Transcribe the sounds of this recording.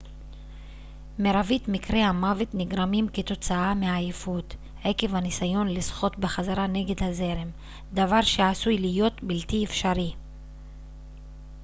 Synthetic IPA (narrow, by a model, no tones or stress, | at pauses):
me̞ɾavitmikʁe̞hamave̞t̪niɡɾamimke̞t̪o̞t͡saameajfut̪ | heke̞vhanisajo̞nlisχo̞tbeχazaɾane̞ɡe̞dhaze̞ɾem | d̪avaʁʃeasujlijo̞t̪biltiefʃaɾi